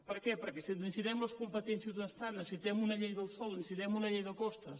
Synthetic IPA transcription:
pəɾkɛpəɾkɛsinzinsit̪ɛmləskumpət̪ɛnsjəzd̪unəst̪at̪nəsit̪ɛmunɐʎejðəlˠsɔlˠinsit̪ɛmunɐʎejðəkɔst̪ə

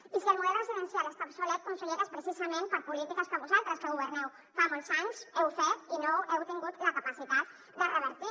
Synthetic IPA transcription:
isiəlmuðɛlurəziðənsijalest̪absulɛt̪̚kunsuleðəspɾəsizəmẽmpəɾpulit̪ikəspəɾβuzalˠt̪ɾəskəɣuβəɾnɛw | famolˠzaɲsɛwfɛt̪̚inoɛwt̪iŋɡut̪ləkəpəsit̪at̪̚ | d̪ərəβəɾt̪i

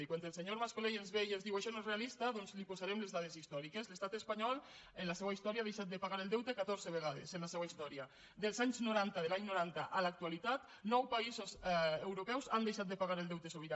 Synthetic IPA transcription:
ikwant̪elseɲoɾmaskolejenzβejenzðiwaʃɔnoezrealist̪aðonzlipozaɾɛmlezðað̞ezist̪ɔɾikezlest̪at̪espaɲɔl | enlasɛwaist̪ɔɾjað̞ejʃat̪̚d̪epaɣaɾeld̪ɛwt̪ekat̪oɾzeβeɣaðesenlasɛwaist̪ɔɾja | d̪elˠzaɲznuɾant̪aðelaɲnoɾant̪aʔalak̚t̪ualit̪at̪ | nɔwpaizozewɾopɛwzand̪ejʃat̪̚d̪epaɣaɾeldɛwt̪esoβiɾa

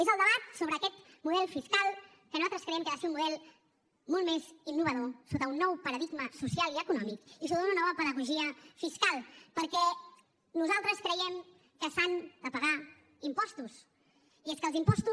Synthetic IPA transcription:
ezəlˠd̪əβat̪soβɾəːkɛt̪muðɛlˠfiskalˠ | kənuat̪ɾəskɾəjɛmkəβaseunmuðɛlˠ | molˠmezinːuβəðosot̪əunːɔwpəɾəðiɡməsusialˠiəkunɔmikis̬ot̪əunuənɔβəpəðəɣuʒiəfiskalˠpəɾkɛ | nuzalˠt̪ɾəskɾəjɛm | kəsand̪əpəɣa | impɔst̪us | ieskəlˠzimpɔst̪u

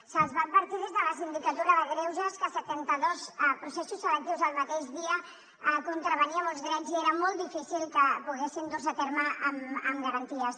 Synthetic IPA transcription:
səlzβaːd̪̚bəɾt̪ið̞ezðələs̬ind̪ikət̪uɾəðəɣɾewʒəskəsət̪ɛnt̪əðospɾusesusːələk̚t̪iwzəlˠmɐt̪eʒðiə | kunt̪ɾəβ̞əniəmolˠzɣɾɛnzieɾəmɔlˠt̪d̪ifisilˠkəpuɣesind̪ozət̪eɾməəməmɡəɾənt̪iəs

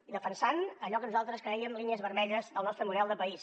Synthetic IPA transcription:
iðəfənsanəʎɔkənuzalˠt̪ɾəskɾəiəmlˠiniəzβəɾmɛʎəzðəlˠnɔst̪ɾəmuðɛlˠd̪əpəis

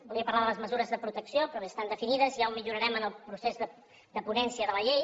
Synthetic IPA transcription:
bulˠiəpərlaðələzməzuɾəzðəpɾut̪əksiopɾɔβeəst̪and̪əfiniðəzʒawmiʎuɾəɾɛmənəlˠpɾusezðə | d̪əpunɛnsiəðələʎej

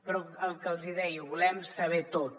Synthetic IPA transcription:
pɾɔəlˠkəlˠziðɛjuβulɛmsəβ̞ɛt̪ot̪

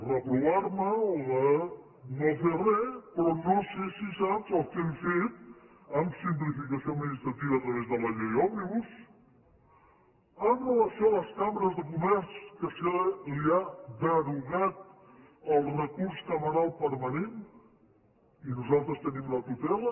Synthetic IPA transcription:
rəpɾuβaɾməoðə | noferɛpɾɔnosesisapzəlˠkɛmfet̪̚ | amsimplifikəsioməʒist̪ɾat̪iβaːt̪ɾəβezðələʎejɔmiβus | anələsoləskamɾəzðəkumɛɾskəsəliad̪əɾuɣat̪̚ | əlˠrəkuɾskəməɾalˠpəɾmənen | inuzalˠt̪ɾəst̪ənimlət̪ut̪ɛlə

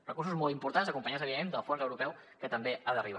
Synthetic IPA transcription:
rəkuɾsuzmɔlˠt̪̬impuɾt̪anzəkumpəɲazəβiðemẽnd̪əlˠfɔɾkəwɾupɛw | kət̪əmbeaðəriβ

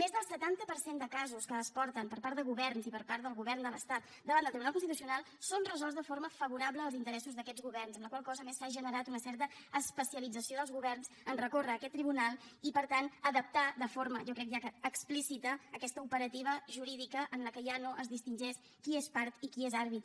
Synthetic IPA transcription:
mezðəlˠsət̪ant̪əpəɾsend̪əkazuskəːspɔɾt̪əmpəɾpaɾt̪d̪əɣuβɛrnzipəɾpaɾt̪d̪əlˠɣuβɛrnd̪ələst̪at̪ | d̪əβand̪əlˠt̪ɾiβunalkunst̪it̪usiunalˠ | sonrəzɔlˠzðəfoɾməfəβuɾabləːlˠzint̪əɾɛsuzðəkɛd͡zɣuβɛrnzəmləkwalˠkɔzəmesːaʒənəɾat̪unəsɛɾt̪əəspəsiəlid͡zəsioðəlˠzɣuβɛrnzənrəkorəːkɛt̪ːɾiβunalˠipəɾt̪anəðəp̚t̪aðəfoɾməʒɔkɾɛkʒakəːksplisit̪əːkɛst̪əupəɾət̪iβ̞əʒuɾiðikəʔənləkəʒanoʔəzðist̪inʒes | kiespaɾt̪ikiezaɾβit̪

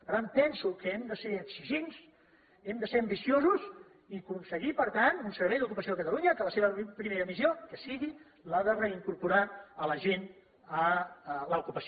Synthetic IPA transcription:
pəɾt̪anpɛnsukəɛmd̪əseəksiʒens | ɛmd̪əseɾəmbisiozuz | ikunsəɣipəɾt̪ant̪unsəɾβɛjðukupəsioəkət̪əluɲəkələseβəpɾimeɾəmiziokəsiɣi | laðərəiŋkuɾpuɾaələʒen | ələukupəs

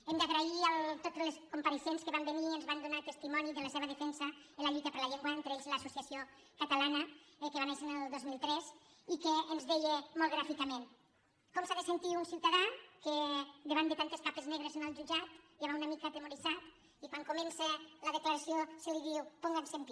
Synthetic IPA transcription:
emd̪aɣɾaialt̪ot̪leskumpaɾesenskəβambeniənzβand̪unat̪əst̪imɔniðələseβəðəfɛnsəelaʎut̪ɐpəɾlaʎeŋɡwaent̪ɾeʎzeləsusiasio | kat̪alanəkəβanesenəlˠd̪ozmilˠt̪ɾɛs | ikeːnzðejemolɣɾafikamẽn | kɔmsaðesent̪iunsiwt̪aðaked̪eβand̪ət̪ant̪eskapezneɣɾezenəlˠʒud͡ʒat̪ | aβaunamikaːt̪emuɾizat̪ | ikwaŋkumenseləðeklaɾasioseliðiwpɔŋɡansenp̪i

